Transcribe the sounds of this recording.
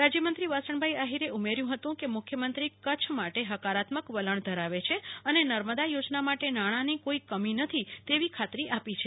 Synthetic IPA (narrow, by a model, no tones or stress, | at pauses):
ɾad͡ʒjəmənt̪ɾiʋasəɳbʱaiaɦiɾeumeɾjũɦət̪ũkemʊkʰjəmənt̪ɾikət͡ʃʰmaʈeɦəkaɾat̪məkʋələɳd̪ʱəɾaʋet͡ʃʰeənenəɾməd̪ajod͡ʒnamaʈenaɽ̃anikoikəminət̪ʰit̪eʋikʰat̪ɾiʔapit͡ʃʰe